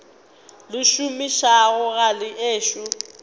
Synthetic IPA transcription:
lʊʃumiʃaɣʊɣalɪʔeːʃʊ

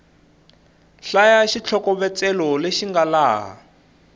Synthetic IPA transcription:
ɬajaʃit͡ɬʰɔkɔβɛt͡sɛlɔleʃiŋɡalaːɦa̰

